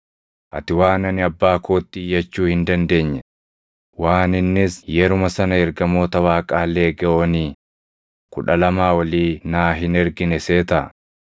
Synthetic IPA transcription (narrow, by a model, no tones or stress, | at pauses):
ʔɐ̰t̪ɪwaːnɐnɪɐbːaːkoːt̪ːiːjːɐt͡ʃːuːhɪnd̪ɐnd̪e̞ːɲːɛ | waːnɪnːɪsjɛɾʊmɐsɐnɐɛɾɡɐmo̞ːt̪ɐwaːkʼaːlːe̞ːɡɐʔoːniː | kʊᶑɐlɐmaːwɐliːnaːɦɪnɛɾɡɪnɛse̞ːt̪ɐʔɐ